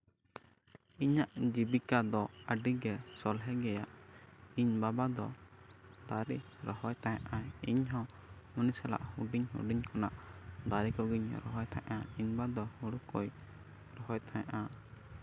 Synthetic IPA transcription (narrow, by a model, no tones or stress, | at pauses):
iɲaʔd͡ʒibikad̪ɔəɖiɡɛsɔlɦɛɡɛjaʔiɲbabad̪ɔ | d̪aɾiɾɔhɔjt̪aja̰ʔaḭɲɦɔ̃ | munisɛla̰ʔhuɖiɲɦṵɖiɲkɔnaʔd̪aɾikɔɡiɲɾɔ̰ɦɔjt̪ʰa̰ʔaiɲbad̪ɔhuɽukɔj | ɾɔɦɔjt̪ʰaja̰ʔa